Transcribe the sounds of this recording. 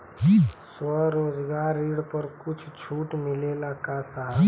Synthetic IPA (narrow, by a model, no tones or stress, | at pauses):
swəɾoːd͡ʒɡaɾiɽpəɾkʊt͡ʃʰt͡ʃʰuʈmilelakasaɦ